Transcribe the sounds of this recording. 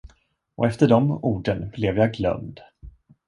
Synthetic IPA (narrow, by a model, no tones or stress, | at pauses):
ʔɔ̰ɛft̪əɖɔmuːɖənb̥lɛvjaɡlœ̰md̪